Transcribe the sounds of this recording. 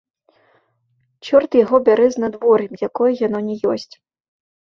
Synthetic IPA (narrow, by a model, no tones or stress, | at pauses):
t͡ʃɔrt̪jaɣɔbʲaɾɛznad̪vɔɾimjakɔjɐjanɔnʲɛjɔsʲt͡sʲ